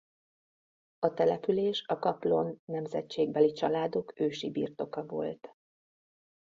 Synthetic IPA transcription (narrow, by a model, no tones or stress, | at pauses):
ɒt̪ɛlɛpyleːʃɒkɒplo̞nːɛmzɛ̰t͡ʃeːɡ̚bɛlit͡ʃɒlaːd̪o̞køːʃibḭːrt̪o̞kɒvo̞̰lt̪